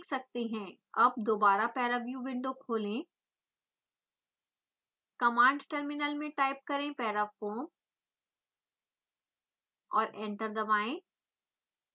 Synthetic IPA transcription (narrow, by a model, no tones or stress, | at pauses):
ksɐk̚t̪eɦɛ̃ː | ɐb̚d̪oːbaːɾapɛːɾabjuʋɪ̃ɳɖokʰoːlẽ | kɐmãːɳɖʈəɾmɪnəlmẽʈaːɪp̚kɐɾẽpɛːɾap̚kõ | ɔːɾʔɛ̃ːɳʈəɾd̪ɐbaːẽ